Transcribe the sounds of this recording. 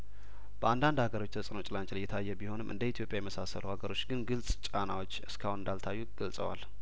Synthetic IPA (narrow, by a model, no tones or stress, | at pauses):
b̥əand̪and̪haɡəɾo̞t͡ʃːt̪ʰəsʼno̞t͡ʃʼlant͡ʃʼləjːɛt̪ʰajːɛbiho̞nɨmʔɨ̰nd̪əit̪ʰjo̞pʼjajɛməsasə̰ləhaɡəɾo̞t͡ʃːɡɨnɡɨlsʼt͡ʃʼanawo̞t͡ʃːɨskʰahwunɨnd̪alt̪ʰajːuɡ̥əlsʼə̰wa̰l